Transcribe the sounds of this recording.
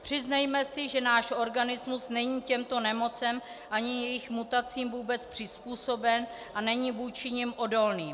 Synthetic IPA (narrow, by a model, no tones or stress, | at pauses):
pr̥ɪznajmɛsɪʒɛnaːʃʔo̞ɾɡanɪzmusnɛɲiːcɛmt̪o̞nɛmo̞t͡sɛm | ʔaɲɪjɛjɪxmut̪at͡siːmvuːbɛt͡spr̝̥ɪspuːso̞bɛn | ʔanɛɲivuːt͡ʃɪɲɪmʔo̞do̞lniːm